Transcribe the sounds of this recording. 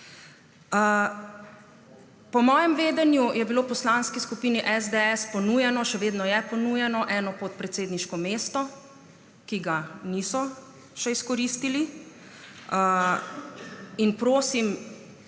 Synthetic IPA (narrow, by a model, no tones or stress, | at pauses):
pɔmɔːjɛmʋeːd̪ɛnjujɛbiloːpɔslanskiskupiːniʔɛzd̪eɛspɔnujɛnɔʃɛʋeːd̪nɔjɛpɔnujɛnɔʔɛːnɔpot̪̚pɾɛt̪seːd̪niʃkɔmeːst̪ɔ | kiɡanisɔ | ʃɛiskɔɾiːst̪ili | inpɾoːsim